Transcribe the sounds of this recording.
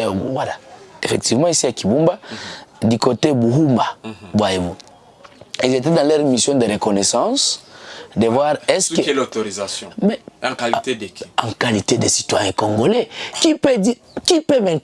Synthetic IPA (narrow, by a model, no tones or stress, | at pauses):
walaefɛk̚t̪ivmɑ̃isiakibũmbad̪ikot̪ebuɦumbabwaevu | ilzet̪ɛd̪ãlɛʁmisjɔ̃d̪eɾekɔnɛsɑ̃s | d̪evwaʁɛsklot̪oʁizasjɔ̃mɛ̃klt̪dɑ̃kalit̪ed̪esi̥t̪wajɛ̃kɔ̃ŋɡolɛkipɛdi | kipɛmɛ̃